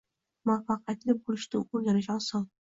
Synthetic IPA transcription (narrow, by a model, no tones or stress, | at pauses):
mafɑqʰijat̪lɪbolɪʃt̪ɪ̰oɾɡʲanɪʃɒlˠsɒn